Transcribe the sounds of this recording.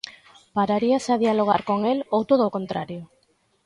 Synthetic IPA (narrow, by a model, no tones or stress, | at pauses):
paɾaɾiasaðialoɣ̞a̰ɾko̞ŋelowt̪oðoko̞nt̪ɾaɾjo